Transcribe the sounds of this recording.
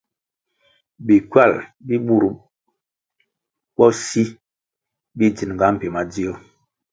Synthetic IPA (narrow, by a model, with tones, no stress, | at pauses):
bi˨kwa˦˨lbi˦ɓu˦˨ɾ | ɓɔ˦si˦ | bi˦d͡ʒi˨n˨ŋɡa˨˦m̩˨pe˨ma˨d͡zi˦o˦